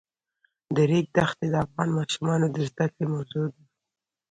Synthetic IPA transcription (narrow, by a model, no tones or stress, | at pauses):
d̪əɾek̚d̪axt̪ed̪əafɣɑnmɑʃumɑnod̪əzd̪akɽemawzod̪a